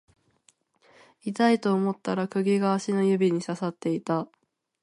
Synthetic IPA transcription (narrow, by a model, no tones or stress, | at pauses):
it̪ait̪o̞ːmo̞t̪ːaɾakɯ̟ɡʲiɡaːɕinojɯ̟bʲiɲ̟isasat̪ːe̞it̪a